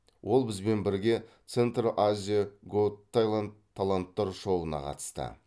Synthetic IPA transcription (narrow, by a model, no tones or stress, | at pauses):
wʔo̞lˠbɪzbe̞nbɪɾɡʲe̞t̪se̞nt̪rʔazʲijaɡot̪ʰːajlˠand̪ʰːalˠant̪ːɑɾʃo̞wənɑ̰qʰɑ̰t̪ə̥st̪ə̰